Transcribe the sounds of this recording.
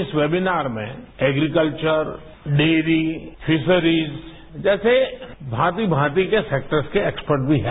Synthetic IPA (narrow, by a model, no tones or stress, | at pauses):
ɪsʋeːbɪnaːɾmḛ̃ɛːɡɾikəlt͡ʃəɾ | ɖeːɾifʰɪsəɾiːz | d͡ʒɛːsebʱãːt̪ibʱãːt̪ikeseːk̚ʈəɾskeeːkspəɾʈ̚bʱiɦɛ